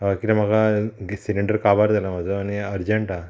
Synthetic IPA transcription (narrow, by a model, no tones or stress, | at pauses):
ɦakit̪am̤aɡaɡsiliɳɖəɾkaʋaɾd͡z̪alam̤ad͡zəaniəɾd͡ʑəɳʈa